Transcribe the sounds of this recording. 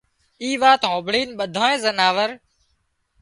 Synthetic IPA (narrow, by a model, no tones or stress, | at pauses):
iːʋaːt̪ɦõːbɽiːnɓəd̪ʱaːẽːzənaːʋəɾ